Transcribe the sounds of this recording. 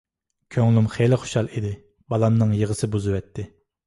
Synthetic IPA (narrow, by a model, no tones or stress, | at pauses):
kʲʰøŋlˠumχelɪχo̥ʃɑlˠid̪ɪ | bɑlˠɑmnɨŋjəʁəsɨbuzɨwɛt̪ʰːɪ